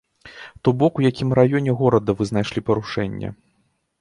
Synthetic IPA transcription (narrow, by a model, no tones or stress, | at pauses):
t̪ɔbɔkwjakʲimɾajɔnʲɛɣɔɾɐd̪ɐvɨznajʂlʲipɐɾuʂɛnʲːɐ̰